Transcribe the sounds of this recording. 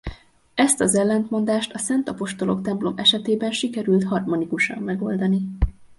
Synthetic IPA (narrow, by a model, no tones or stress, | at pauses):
ɛst̪ɒzɛlːɛnt̪mo̞nd̪aːʃt̪ɒsɛnt̪ɒpo̞ʃt̪o̞lo̞kt̪ɛmplo̞mɛʃɛt̪eːbɛnʃikɛɾylt̪ɦɒrmo̞nikuʃɒ̰mːɛɡo̞ld̪ɒni